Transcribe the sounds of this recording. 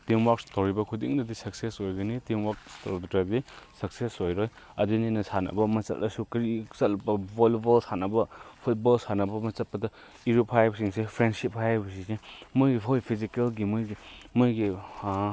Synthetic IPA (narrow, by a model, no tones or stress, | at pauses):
tiŋwakstowɾibɐkʰudiŋdɐdisɐksesojɡɐnitiŋwak̚stoɾdtabisɐksesojɾoj | ɐdininɐsanɐ̰bɐmɐt͡ʃɐ̰lɐ̰sukɾit͡ʃɐlpɐbolbolsanɐbɐpʰut̚bɔlsanɐbɐmɐt͡ʃɐt̚pːɐdɐ | iɾuphajabsiŋsepʰɾendsip̚hajbɐsisemɯjɡiɦojpʰizikelɡimɯjɡimɯjɡi